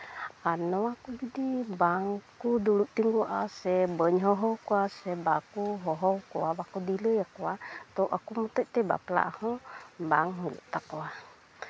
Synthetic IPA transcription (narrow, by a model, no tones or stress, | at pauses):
anɔwakud͡ʒudibaŋkuduluʔt̪iŋɡuʔasɛbəɲɦɔɦɔwkuasɛbakuɦɔɦɔwkuwabakudiləjakuwat̪ɔʔakumət̪ɔjt̪ɛba̰pəla̰ʔahɔbaŋɦilṵʔt̪akwa